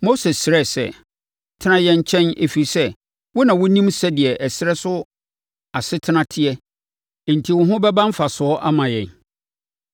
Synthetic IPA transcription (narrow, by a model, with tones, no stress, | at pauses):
mo˦se˨sɪ˨ɾɛ˦˨sɛ̰˦˨˦ | tʰɪ˦nã˦jɛ̃˦ɲ˦t͡ɕʰɛ̃˦ne˨fi˨i˨sɛ˦ | wʊ˦nã˨wʊ˦nĩ˦msɛ˦dɪ˨ɛ˨ʔɛ˨sɪ˦ɾɛ˦sʊ˦ | a˨sɪ˦tʰɪ˦nã˦tʰɪ˦ɛ˦ | e˨n̩˨tʰi˨wʊ̃˨˦ɦʊ̃˦bɛ˦bã˦m˦fa˨sʊ˨ɔ˦ʔa˦mã˨jɛ̰̃˨n